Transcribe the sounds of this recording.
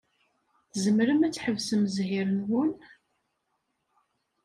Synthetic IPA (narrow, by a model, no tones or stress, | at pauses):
θzəmɾəmæt͡sːħəvsəmzhiɾənwʊn